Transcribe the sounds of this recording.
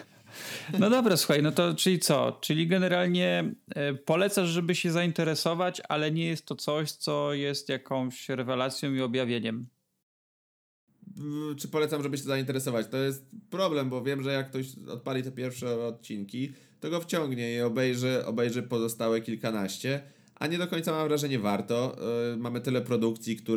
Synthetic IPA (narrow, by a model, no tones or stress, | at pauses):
nɔd̪ɔbɾasuxajnɔt̪ɔt͡ʂɘlʲit̪sɔ̰t͡ʂɘlʲiɡɛnɛɾalɲɛ | pɔlɛt̪saʂʐɛbɘɕɛzaint̪ɛɾɛsɔvat͡ɕa̰lɛɲɛjɛst̪ːɔt̪sɔɕt̪sɔjɛst̪jakɔ̃w̃ɕɾɛvɛlat̪sʲjɔ̃w̃iɔbjavʲjeɲɛm | t͡ʂɘpɔlɛt̪samʐɛbɘɕɛzaint̪ɛɾɛsɔvat͡ɕt̪ɔjɛst̪̚pɾɔblɛmbɔvʲjɛmʐɛjakːt̪ɔɕɔ̰t̪̚palʲit̪ɛpʲjɛɾfʂɛɔt̪̚t͡ɕiŋkʲi | t̪ɔɡɔft͡ɕɔŋɡɲɛiɔbɛjʐɛʔɔ̰bɛjʐɛpɔzɔst̪awɛkʲilkanaɕt͡ɕɛ | ʔa̰ɲɛd̪ɔkɔɲʲt̪samamvɾaʐɛɲɛvaɾt̪ɔmamɘt̪ɘlɛpɾɔd̪ukt̪sʲjikt̪u